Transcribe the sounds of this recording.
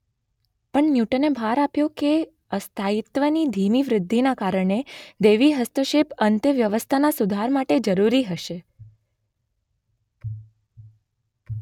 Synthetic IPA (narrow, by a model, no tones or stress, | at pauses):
pəɳnjuʈənebʱaɾapjõke | əst̪ʰait̪ʋənid̪ʱimiʋɾɪd̪ʱːinakaɾəɳed̪eʋiɦəst̪əʃepənt̪jəʋjəʋəst̪ʰanasud̪ʱaɾmaʈed͡ʒəɾuɾiɦəʃe